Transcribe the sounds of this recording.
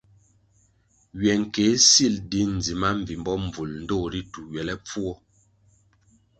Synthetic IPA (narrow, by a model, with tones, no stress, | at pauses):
ɥɛ˨ŋ̩˨ke˨˦si˦˨ldi˦n̩˨d͡zi˨ma˦ɱ˨vi˨mbɔ˦m˨vu˨ln̩˦doː˦˨ɾi˦tu˨ɥɛ˨lɛ˦p͡fu˦ɔ˦